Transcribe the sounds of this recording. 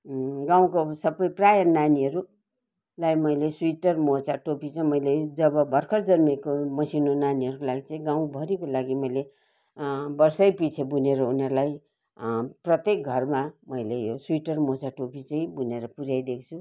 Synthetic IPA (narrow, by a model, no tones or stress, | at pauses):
ɡãw̃kosʌbʌjprajʌnaniɦʌɾu | lajmʌjlesuiʈʌrmot͡sʰaʈopit͡sʌ̃mʌjled͡zʌbʌbʱʌrkʰʌrd͡zʌnmekomʌsinonaniɦʌɾukolaɡit͡sʌ̃ĩɡaw̃bʱʌɾikolaɡimʌjle | bʌrsʌjpit͡sʰebuneɾʌunʌɾulaj | prʌt̪ek̚ɡʱʌrmamʌjlejosuiʈʌrmot͡saʈopit͡saĩbuneɾʌpuɾjajd̪ekʰt͡sʰu